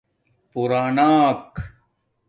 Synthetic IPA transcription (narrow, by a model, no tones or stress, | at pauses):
puɾaːnaːk